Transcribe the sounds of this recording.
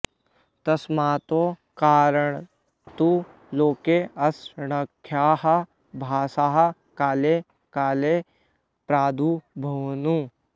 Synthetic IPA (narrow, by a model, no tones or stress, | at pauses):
t̪ɐsmaːt̪oːkaːɾəɳ̃ | t̪u | loːkeɐsɳəkʰːjaːɦɐ | bʱaːsaːɦɐ | kaːle | kaːle | pɾaːd̪ʱubʱɐʋnu